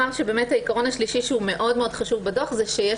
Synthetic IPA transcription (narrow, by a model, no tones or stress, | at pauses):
aʁʃebeːmethaikaʁo̞naʃliʃiʃeume̞ʔo̞dme̞odχaʃuvbedo̞χzeʃeje